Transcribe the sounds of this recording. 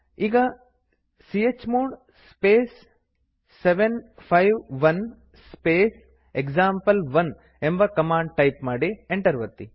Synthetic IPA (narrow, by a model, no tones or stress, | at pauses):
iːɡɐ | siet͡ʃmoːɳ | speːsː | eʋenpʰɐjʋʋɐn | speːs | ekzaːmpɐlʋɐn | embɐkɐmaːɳɖ̚ʈɐjpmaːɽieɳʈɐɾʋɐt̪ːi